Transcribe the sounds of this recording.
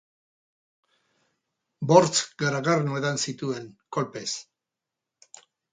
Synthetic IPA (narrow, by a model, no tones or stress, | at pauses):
bo̞ɾt͡sɡaɾaɣarnoeðansit̪ue̞ŋko̞lpe̞s